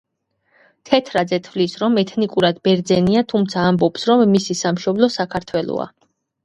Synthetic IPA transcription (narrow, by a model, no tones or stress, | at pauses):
t̪ʰɛt̪ʰɾad̪zɛt̪ʰvlisɾɔmɛt̪ʰnikʼuɾad̪bɛɾd̪zɛniat̪ʰumt̪sʰaːmbɔpsɾɔmːisisamʃɔblɔsakʰaɾt̪ʰwɛlˠɔ̰a̰